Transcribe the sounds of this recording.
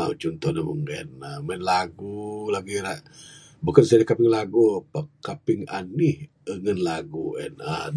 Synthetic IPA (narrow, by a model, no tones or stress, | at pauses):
awt͡ʃɔnt̪ɔhnamṵŋɛ̰namɛnlaɡulaɡiɾaʔ | bukansadakapɪŋlaɡupakapɪŋa̰nih | əŋənlaɡuʔɛ̰na̰